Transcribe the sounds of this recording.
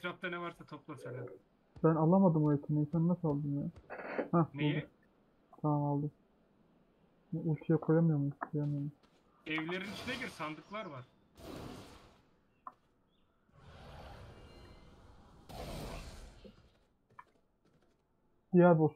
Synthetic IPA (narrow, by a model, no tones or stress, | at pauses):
ɾap̚t̪anɛvaɾsat̪ʰoplˠoɾsenæɾ | bænalˠamad̪ɯmoɛt̪ʰineinsanːasalˠd̪ɯmjahãb̪ulˠd̪u | t̪ʰamamalˠd̪ɯm | ulʲt͡ʃ̪ʰujakʰojamɯjoɾmunkʰojamɯjomun | ɛvlʲeɾinit͡ʃʰinɛɟiɾsand̪ɯklˠaɾvaɾ̥ | d̪̥ijæɾbos